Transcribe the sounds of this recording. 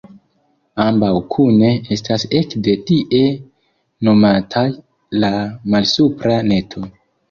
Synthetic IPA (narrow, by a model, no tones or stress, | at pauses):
ambawkʰune̞e̞stase̞kde̞tiʔe̞ | no̞matʰaj | lamalsupɾane̞tʰo̞